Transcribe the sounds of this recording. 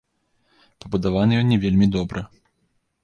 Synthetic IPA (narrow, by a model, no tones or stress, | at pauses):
pɐbud̪avanɨjɔnʲːɛvʲelʲmʲid̪ɔbɾɐ